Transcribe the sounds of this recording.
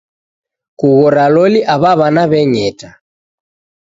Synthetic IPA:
kuɣɔɾalɔliʔaβaβanaβɛɲɛta

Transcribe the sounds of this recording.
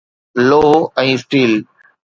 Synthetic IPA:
loːɛ̃ːsʈiːl

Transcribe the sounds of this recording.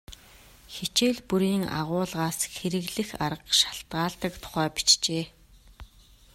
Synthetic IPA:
xet͡ɕeːɮpuɾiːŋa̰ʁʊːɮʁaːsxeɾɘ̆ɣɮɘ̆xaɾə̆qʃḁɬt̪ɢaːɮt̪ə̆kt̪ʰʊ̥χæːpi̥t͡ɕt͡ɕeː

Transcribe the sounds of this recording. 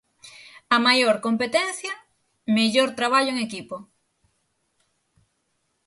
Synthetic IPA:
ɐmajoɾkompet̪ɛnθjɐ | meʎoɾt̪ɾaβ̞aʎoeŋekipo

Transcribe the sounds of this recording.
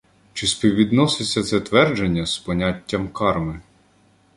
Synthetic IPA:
t͡ʃɪspʲiwʋʲʋʲid̪nɔsɪsʲːɐt̪sɛt̪ʋɛrd͡ʒenʲːɐspɔnʲatʲːɐmkɑrmɪ

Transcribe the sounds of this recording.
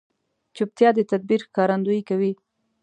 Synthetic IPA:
t͡ʃup̚t̪jɑd̪ət̪ad̪̚biɾxkɑɾand̪uikawi

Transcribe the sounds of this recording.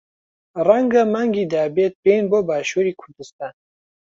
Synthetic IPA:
raŋɡamaŋɡiːd̪aːbeːt̪̚beːnboːbaːʃuɾiːkʰʊɾd̪ɨst̪aːn

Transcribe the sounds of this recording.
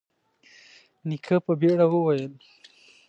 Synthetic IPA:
nikʰapəbeɽawəwajəl

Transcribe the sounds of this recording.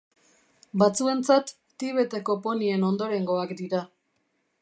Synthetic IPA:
bat͡sue̞nt͡sat̪ː | iβ̞e̞t̪e̞ko̞po̞nie̞no̞nd̪o̞ɾe̞ŋɡo̞akd̪iɾa

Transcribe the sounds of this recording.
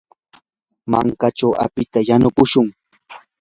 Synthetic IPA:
maŋkat͡ʃawa̰pɪt̪ajanʊkʊʃʊŋ

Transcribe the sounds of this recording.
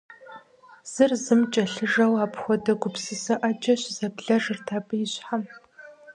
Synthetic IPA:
z̥ɨrzɨmt͡ʃʼɐɬɨʐɐwaːpʰxʷɔdɐɡʷʊpʰsiːsɐʔɐd͡ʒʼɐɕzɐbɮɐʐɨrtʰaːpʼɨjɪɕħam

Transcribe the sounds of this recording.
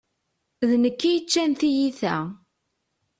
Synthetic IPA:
ðnəkːijət͡ʃːænθijiθæ

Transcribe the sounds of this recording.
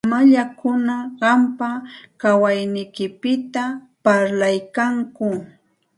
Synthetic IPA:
maʎakʊnaɢɑmpakawajnɪjkɪpɪt̪a | paɾlajkaŋkʊ

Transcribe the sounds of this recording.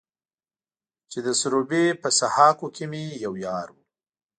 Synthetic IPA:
t͡ʃed̪əsʊɾobepəsahɑkokʰemejawjɑɾwu

